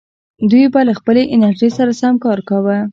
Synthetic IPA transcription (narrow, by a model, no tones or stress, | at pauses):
d̪ujbalaxpəleʔɪnaɾʒesaɾasamkɑɾkawə